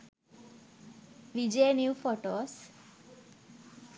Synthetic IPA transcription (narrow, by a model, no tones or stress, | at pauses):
ʋid͡ʒenjufoʈos